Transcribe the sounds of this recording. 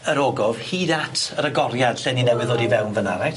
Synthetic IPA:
əɾoːɡɔv̥hiːdatʰəɾəɡɔɾjad̥ɬɛninɛwɪðoːdivɛwnvənaɾaj

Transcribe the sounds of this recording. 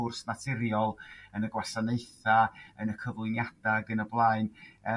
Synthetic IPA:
ʊrsnatʰɪɾjɔlˠənəɡwasaneɨθaənəkʰəvlˠʊnjad̥aɡənəblˠaːɨnɛ

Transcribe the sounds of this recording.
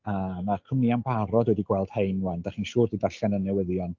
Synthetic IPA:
amakʰəmniambaɾɔdwɛdiɡwɛlˠd̥hejnwand̥aχiːnʃuːrdidaɬanənːɛwəðjɔn

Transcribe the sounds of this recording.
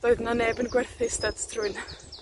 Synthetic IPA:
ðoːɨðnaneːbənɡwɛrθɪsdadtʰrʊɨn

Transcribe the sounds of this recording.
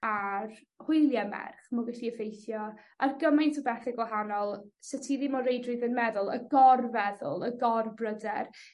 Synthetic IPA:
ar | hʊjlˠjamɛ̰rχmɔɡɛɬiəfejθjɔ | ʔarɡəmɪntʰɔbɛθɪɡwɛɦanɔlˠsɛtʰiðimɔɾejdrɨðənmɛðʊlˠə̰ɡɔrvɛðʊ̰lˠəɡɔrbrədɛr

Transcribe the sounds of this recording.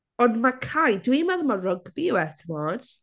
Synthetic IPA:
ɔndmakʰajdwimaðəmarʊɡ̚biwɛtʰəmɔːd̥

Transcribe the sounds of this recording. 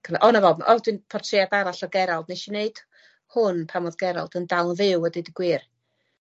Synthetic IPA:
kʰəʔɔnavɔmʔɔdwinpʰɔrtʰrɪadaɾaɬɔrɡɛɾalˠdneʃineɨd̥ | hʊnpʰamɔðɡɛɾa̰lˠdəndalˠnvɪwɛdidəɡ̥wɪːr

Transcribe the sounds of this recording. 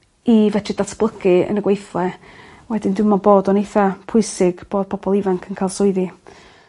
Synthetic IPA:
ivɛtʰidatʰb̥lˠəkɨə̰nəɡwejθlˠɛwɛdɪndɪmaboːdɔnejθapʰʊɨsɪɡ̥b̥oːd̥̚pʰɔbɔlˠɪvaŋkʰənkʰajlˠsʊɨði

